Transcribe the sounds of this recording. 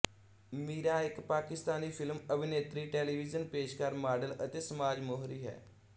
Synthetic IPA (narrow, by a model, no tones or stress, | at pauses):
miːɾaːɪkpaːkɪst̪aːniːpʰɪlməbɪneːt̪ɾiːʈɛːliːʋɪzənpeːʃkəɾmaːɖələt̪eːsəmaːd͡ʒmoːɦɾiːɦɛ̰ː